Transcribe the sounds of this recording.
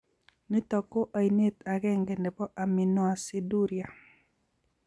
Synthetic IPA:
ni˦t̪ɔ˨ko˦ʔa˨i˨ne˦t̪a˨ɡɛ˦ŋɡɛ˨ndɛ˨pɔ˦ʔa˨mi˨nɔ˦˨a˨si˦du˦ɾja˨

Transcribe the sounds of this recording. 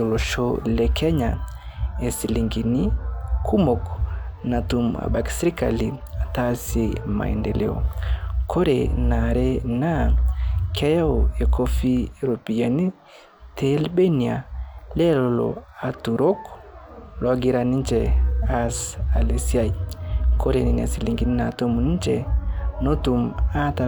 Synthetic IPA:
ɔ˨lɔ˨ʃɔlɛ˨kʰɛ˦ɲa˨ | ɛ˨si˨li˨ŋɡi˨ni˦kʰu˦mɔ˨kna˨tu˨ma̰˨ɓa˨ki̥˨sɛ˦ɾi˦ka̰˨li˨ | a˨ta˦se˨ma̰˨ɛ̰˨ndɛ˨lɛ̰˨ɔ̰˨kʰɔ˦ɾɛ̰˨na˨ɾɛ˦na˦˨kʰɛ˦ja˦ɔ˨e˨kʰɔ˦fi˦˨ɾo˨pi˨ja˨ni˦ | tʰɛ˦lbe˦ni˨a˨lɛ˦lɔlɔ̰˨a˨tu˨ɾɔ˦k | lɔ˨a˨ɡi˦ɾa˨ni˦nt͡ʃɛa˦sa˨le˨si˦a˦i˨kɔ˦ɾe˨ni˨nia̰˨si˨liŋɡi˦ni˦na˨to˦mu˨ni˦t͡ʃɛ̰˨nɔ˦tu˨ma˦ta˨

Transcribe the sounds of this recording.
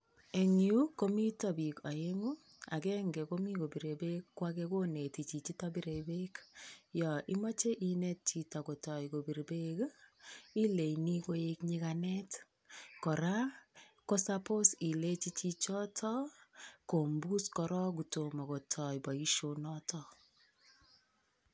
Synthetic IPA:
e˨ŋiu˦ko˦mi˦tɔ˦bi˨kɔ˨e˦ŋu˦ | a̰˨kɛ˦ŋɡɛ˨ko˦mi˦ko˨bi˨ɾe˨be˦kːwa˦keko˦ne˨ti˨t͡ʃi˨t͡ʃi˦tɔ˦bi˦ɾe˨be˦kjɔ˨ʔi˦mɔ˦t͡ʃe˦ʔine˦t̚t͡ʃi˨tɔ˨ko˨tɔ˨iko˨bi˨ɾbe˦k | i˦le˨ini˦ko˦e˦kɲikanɛ˦t | kɔ˨ɾa˦ko˦sa˦po˦si˨le˦t͡ʃi˦t͡ʃi˦t͡ʃɔ˦tʰɔ˦ko˨mbu˦skɔ˨ɾɔ˦k̬u˨to˨mɔ˨kɔ˨tʰɔ˨jbɔ˨i˦ʃo˦nɔ˦tɔ˦

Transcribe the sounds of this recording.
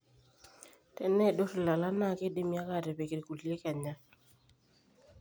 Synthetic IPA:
tɛ˦nɛ˦˨do˦ɾe˨la˨la˦na˦˨ke˦de˦mja˦ka˦˨de˨pe˨ke˨ɾku˨li˦e˦ka˨ɲa˦

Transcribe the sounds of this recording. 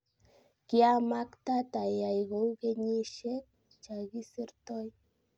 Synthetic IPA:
ki˦a˦ma˦kta˦ta˨ja˨jɣo˨wke˦ɲe˦ʃe˦ | t͡ʃa˨ɣi˦si˦ɾtɔ˦j

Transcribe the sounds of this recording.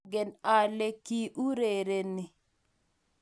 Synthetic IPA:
ɡɛ˨na˨le˦ki˦ʔu˦ɾe˨ɾe˨ni˨

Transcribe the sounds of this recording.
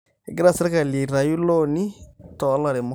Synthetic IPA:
e˨ɡi˦ɾa˦˨sɛ˨ɾɛ˦ka˨li˨ɾa˨ju˦lɔ˦ni˦tɔ˨˦la˨ɾe˨mo˦

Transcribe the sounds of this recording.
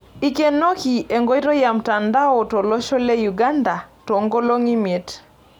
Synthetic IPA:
i˦ke˨˦nːo˦ki˨ʔe˨ŋɡo˦jɾo˦ja˨mta˨nda˦o˨to˨lɔ˦ʃo˦le˦ju˨ɡa˦nda˨to˨ŋɡo˦lo˦ŋi˦me˨t

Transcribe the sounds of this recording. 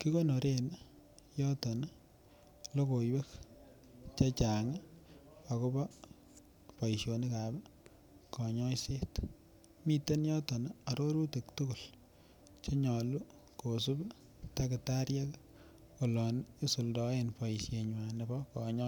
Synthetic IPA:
ki˦ko˦no˨ɾen | jɔ˦tɔ˨n˦ | lo˦ko˨iwe˦k | t͡ʃa˦t͡ʃa˨ŋ˦ | a˨ko˦bɔ˦ | pɔ˨i˨ʃjo˨ni˦ka˨b | kɔ˨ɲɔ˦se˦t | mi˦te˦njɔ˦tɔ˨na˨ɾo˦ɾu˦te˨ktʊ˦ku˨l | t͡ʃe˦ɲɔ˨lu˦ | ko˨s̬u˦b | ta˦kɪ˨ta˦ɾja˦k | o˨lɔ˨ni˦su˨ldɔ˨e˨npɔ˨isje˨ɲwa˨ne˨bɔ˦kɔ˨ɲɔ˦

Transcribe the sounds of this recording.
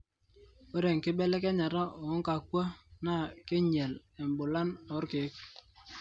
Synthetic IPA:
we˦ɾe˨ŋkɪ˦bɛ˦lɛ˦kɛ˦ɲa˨ɾa˦ɔ˨˦ŋka˨kwa˦na˦˨kɪ˦ɲɛ˨l | ɛ˨mbʊ˨la˦nɔ˨˦ɾkɪ˨˦k̚

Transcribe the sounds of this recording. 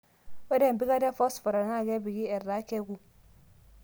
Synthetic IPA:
wɛ˦dɛ˦˨m˨bi˦ɡa˦dɛ˦fɔ˦sfɔ˨ɾa˨na˦˨ɡɛ˦bi˨ɡi˦ɛ˨ɾːa˦kɛ˦ɡu˨

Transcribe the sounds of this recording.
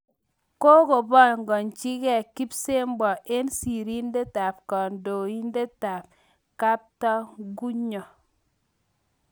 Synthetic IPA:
ko˦ko˨bɔ˦˨ŋ˨ɡɔ˨nt͡ʃi˦kɛ˦˨ki˦pse˦m˦bɔ˨ʔe˦nsi˨ɾi˦nde˦ta˨pkɔ˨ndo˨i˦nde˦ta˨p | ka˦p̚tɔ˦ɡu˦ɲɔ˨

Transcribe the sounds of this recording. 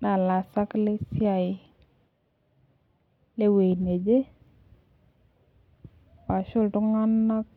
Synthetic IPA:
na˨la˨sa˦kle˦si˦a˨j | le˦we˨ne˨d͡ʒe˦ | pa˨ʃo˦˨tu˦ŋa˦nːa˦k̚

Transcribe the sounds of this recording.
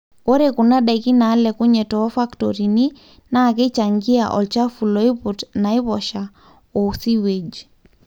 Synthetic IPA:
ko˦ɾe˨ku˨na˦ɗa˨ki˦na˨˦lɛ˨ku˦ɲɛ˨tɔ˦fa˦ktɔɾi˨ni˦ | na˦˨ke˦t͡ʃa˨ŋɡi˦a̰˨ʔɔ̰˨lt͡ʃa˦fu˨lɔ˨˦i˦putna˨i˦βɔʃa˨ | ɔ˨si˦we˨d͡ʒ

